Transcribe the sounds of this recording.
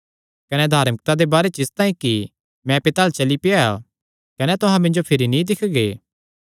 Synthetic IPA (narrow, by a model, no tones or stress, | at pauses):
kɐnɛd̪ʱaːɾmək̚t̪ad̪ebaːɾet͡ʃɪst̪ãːĩki | mɛ̃pɪt̪aːlt͡ʃɐlipɪaa̰ | kɐnɛt̪ʊɦãmɪ̃nd͡ʒopʰɪɾinĩd̪ɪkʰɡeː